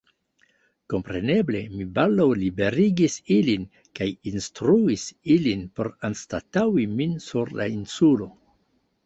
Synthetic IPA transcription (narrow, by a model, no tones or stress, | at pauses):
ko̞mpɾe̞ne̞ble̞mibaldawlibe̞ɾiɡisilin | kajinstɾuisilinpo̞̰ɾanstatawiminsuɾla̰insulo̞